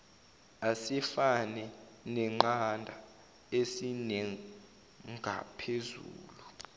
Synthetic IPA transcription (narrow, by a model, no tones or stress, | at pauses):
asifanɛ | nɛŋ͡ǃandʱa | esineŋi | ŋɡʱa̰pʰezṵːlu